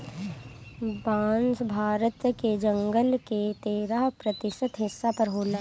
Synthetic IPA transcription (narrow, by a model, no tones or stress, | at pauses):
baːnsbʱaːɾət̪ked͡ʒə̃ŋɡəlket̪eːɾaɦpɾət̪ɪʃət̪ɦɪsːapɐɾɦoːla